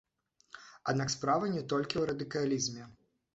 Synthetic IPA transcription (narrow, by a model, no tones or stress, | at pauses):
ad̪nakspɾavɐnʲɛt̪ɔlʲkʲiwɾɐd̪ɨkalʲizmʲɛ